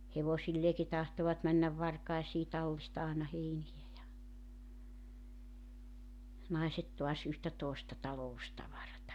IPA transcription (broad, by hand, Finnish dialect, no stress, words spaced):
heʋosilːeːki tɑhtoʋɑt mænːæʋ ʋɑrkɑesiː tɑlːistɑ ɑːnɑ heinijæ jɑ nɑiset toɑs yhtæ toˑestɑ tɑloustɑʋɑrɑtɑ